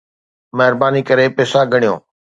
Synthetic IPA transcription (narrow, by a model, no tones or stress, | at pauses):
mɛɦɪɾbaːnikəɾeːpɛːsaːɡʱəɳijõ̰ː